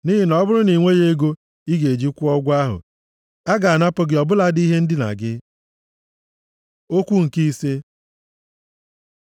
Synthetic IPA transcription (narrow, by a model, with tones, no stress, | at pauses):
ni˦ɦɪ˦nɔ˦bʊ˦ɾʊ˦ni˨ŋʷe˦je˦ɡo˦ | i˦ɡe˨d͡ʒi˦kʷʊ˦ɔ˦ɡʷa˦ɦʊ̰˨ | a˦ɡa˨a˨na˦pʊ˦ɡɪ˨ɔ˨bʊ˦la˦di˦ɦe˦n̩˦dɪ˦na̰˨ɡɪ˦ | o˦kʷu˦ŋ̩˨ki˦se˦